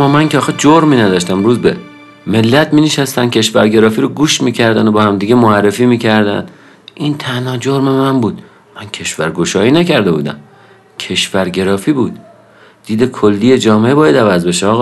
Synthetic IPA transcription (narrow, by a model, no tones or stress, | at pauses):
mːɒːmæŋcʲʰeɒːxed͡ʒoɾmiːnæd̪ɒːʃt̪æmɾuːzbe | me̞lːæt̪miːneʃæst̪æn̥cʲʰe̞ʃvæɾɟe̞ɾɒːfiːɾoɡuːʃmiːcʰæɾd̪ænobɒːhæmd̪iːɡemoærːefiːmiːcʰæɾd̪æ̰n | ʔint̪ʰænhɒːd͡ʒoɾme̞mæmbuːd̪ | mæncʰe̞ʃvæɾɡo̞ʃɒːjiːnæcʰæɾd̪e̞bṵːd̪æ̰m | cʰe̞ʃvæɾɟe̞ɾɒːfiːbuːd̪̥ː | iːd̪ekʰolːiːje̞d͡ʒɒːmeʔebɒːjæd̪ævæzbe̞ʃeɒːɣɒː